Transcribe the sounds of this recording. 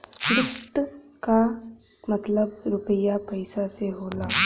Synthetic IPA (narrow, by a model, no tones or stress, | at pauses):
ɾɪt̪ːka | mɐt̪ləbɾʊpəjapɐɪsaseɦoːlaː